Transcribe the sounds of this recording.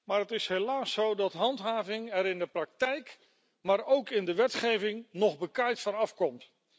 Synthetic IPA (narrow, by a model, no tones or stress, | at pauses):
maːɹətɪsɦelaːsowdɑtɦɑntɦaːvɪŋɛɾɪndəprɑk̚tɛjk | maːɹowkɪndəʋɛtχejvɪŋnɔχbəkajtfɑnɑfkɔmt